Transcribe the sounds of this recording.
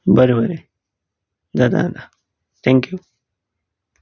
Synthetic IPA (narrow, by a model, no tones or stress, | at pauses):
bəɾebəɾe | zad̪a̰ːd̪a | t̪ʰɛ̃ŋkju